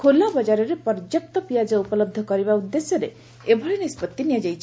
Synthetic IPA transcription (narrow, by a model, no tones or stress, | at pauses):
kʰolɔbɔd͡ʒaɾɔɾepɔɾd͡ʒap̚t̪ɔpijad͡ʒɔupɔlɔb̚d̪ʱɔkɔɾibaud̪ːesjɔɾe | ebʱɔɾinispɔt̪ːinijad͡ʒajt͡ʃʰ